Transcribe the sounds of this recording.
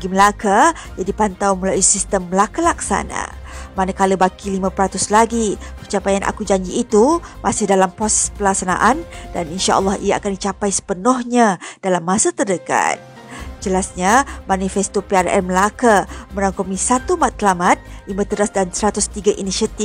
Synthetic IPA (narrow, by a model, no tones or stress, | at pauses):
aɡiməlaka | d͡ʒadipant̪awmulaisist̪əmːəlakalaksa̰na̰manakaləbakilimãpɾat̪ʊslaɡipət͡ʃapajanʔa̰kud͡ʒaɲd͡ʒiːt̪umasɪhdalampɔsɛpəlak̚sana̰ʔandaninʃa̰ʔə̰lːɑhijaa̰kandit͡ʃapajsə̥pənɔhɲad̥alamːãsat̪ərdəka̰t̪̚ | d͡ʒəlasɲamãnifɛst̪opearɛ̰rməlakaməɾaŋkomisat̪umat̪ːəlamat̪̚imə̃t̪əɾasdansəɾat̪ʊst̪iɡaʔiniʃiat̪i